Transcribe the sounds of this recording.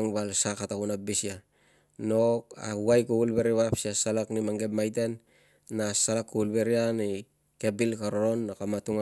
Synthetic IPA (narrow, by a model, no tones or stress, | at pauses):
ŋbalsakːatakunabisia | noka̰uajkuβulβeɾiβapsiasalaknimaŋɡe̞pmajt̬enː | asalakːuulβe̞ɾiani | ke̞bilkaɾoɾo̞nːakamatuŋa